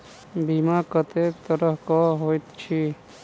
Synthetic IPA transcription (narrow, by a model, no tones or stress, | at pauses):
bimakət̪ek̚t̪əɾəɦkɔɦojt̪t͡ʃʰi